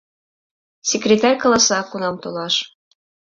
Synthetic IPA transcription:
sʲekrʲet̪ɑrʲkɑlɑsɑkunɑmt̪olɑʃ

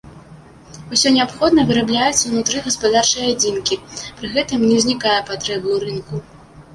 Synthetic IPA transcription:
usʲɔnʲɛapxɔd̪nɐvɨɾablʲajut̪t͡s̪ʲːɐwnut̪ɾɨɣɐspad̪art͡ʂɨjɛad͡zʲinkʲipɾɨɣɛt̪ɨmnʲɛzʲnʲikajɛpat̪ɾɛbuɾɨnku

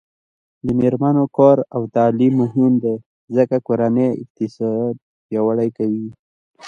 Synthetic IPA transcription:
d̪əmeɾmanokɑɾawt̪ɑlimːʊɦɪmd̪e | zəkakoɾaneɪ̰q̚t̪ɪsɑd̪̚ | pjawaɽajkawi

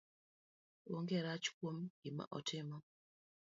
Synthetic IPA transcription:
woŋɡɛɾat͡ʃkwomɡɪma̰ʔɔtʰɪmɔ

